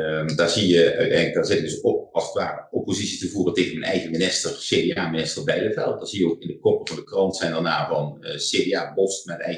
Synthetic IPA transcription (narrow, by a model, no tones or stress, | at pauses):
daːɹzijəœ̰ɥtɛjnləɡ̚daːɹzɪtɪɡdɵsokɑlˠsətʋa̰ːrəopozitsitəvuːrəteːɣənmənɛ̰jɣəminɪstərseːdeaːminɪstərbɛjləvɛ̰lˠt̚daːɹz̥ijəokɪndəkɔpəvɑndəkrɑntsɛjndəɹnaːvɑnseːdeaːbɔstmaətɛ̰j